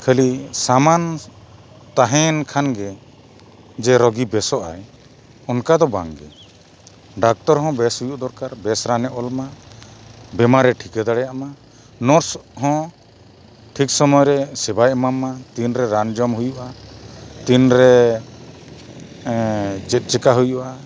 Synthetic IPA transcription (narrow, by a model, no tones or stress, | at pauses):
kʰɛlisaman | t̪aɦɛ̃nkʰanɡɛ | d͡ʒɛɾɔɡibɛsɔʔa̰j | ɔnkad̪ɔba̰ŋɡɛ̰ | ɖak̚t̪ɔɾɦɔ̃bɛshujuʔd̪ɔɾkaɾbɛsɾanɛʔɔlma | bɛmaɾɛʈʰikɛd̪aɽɛjama | nɔɾshɔ̃ | ʈʰik̚sɔmɔjɾɛsɛbajmamat̪inɾɛɾand͡ʒɔmɦujuʔa | t̪inɾɛ | t͡ʃɛt̪̚ˀt͡ʃɛkaɦujuʔa